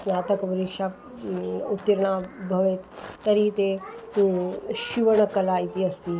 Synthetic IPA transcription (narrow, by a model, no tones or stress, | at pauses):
snaːt̪əkpɐɾikʂa | ut̪ːiɾɳabʱɐʋet̪t̪ːɐɾit̪e | ʃiʋəɳ̃əkɐlait̪iɐst̪i